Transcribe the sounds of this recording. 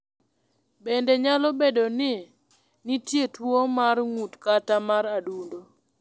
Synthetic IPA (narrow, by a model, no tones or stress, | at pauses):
bɛndɛɲalɔbedonɪ | nɪtjetwomarŋutkatamaɾadundo